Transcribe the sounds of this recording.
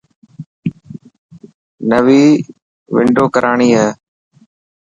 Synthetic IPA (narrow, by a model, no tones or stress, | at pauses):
nəʋiː | ʋɪ̰ɳɖoːkəɾʔaːɳiːɦɛː